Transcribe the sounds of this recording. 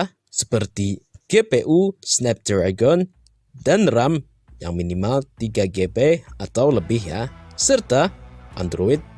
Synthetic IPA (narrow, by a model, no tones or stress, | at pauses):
sə̥pərt̪iɡ̥epeʔusnɛp̚d̪̥ɾaɡɔn | danram | jaŋminimalt̪iɡaɡepeat̪awləbɪhjasərt̪aʔa̰nd̪ɾoɪt̪̚